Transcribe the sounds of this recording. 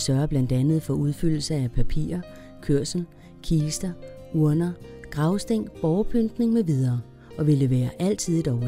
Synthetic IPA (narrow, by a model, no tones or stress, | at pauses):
sɶɐɐb̥læn̰d̥ænð̞̩ˠfɒ̽uð̞ˠfyl̰l̩səæpʰæpʰḭːɐ | kʰøɐ̰sn̩ | kʰiːsd̥ɐ | uɐ̰nɐɡ̥ʁɑ̈ʊsd̥e̝ŋ̰b̥ɒʊpʰønd̥ne̝ŋmeʋið̞ˠɐː | ʔɒ̽ʋe̝le̝ʋḛːɐʔæl̰t͡sʰið̰ˠed̥ɒʊ